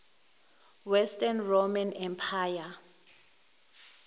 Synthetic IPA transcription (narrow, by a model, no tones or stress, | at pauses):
wɛstʼanromanɛmpʰaja